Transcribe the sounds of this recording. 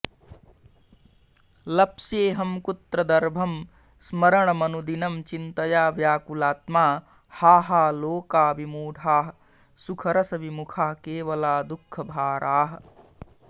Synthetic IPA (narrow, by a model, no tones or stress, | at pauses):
lɐpsjeːɦɐmkut̪ɾɐd̪ɐɾbʱɐm | smɐɾɐɳɐmɐnud̪inɐmt͡ʃint̪ɐjaːʋjaːkulaːt̪maː | haːɦaːloːkaːʋimuːɖʱaːɦɐ | sukʰɐɾɐsɐʋimukʰaːkeːʋɐlaːd̪ukʰːɐbʱaːɾʔaːɦɐ̆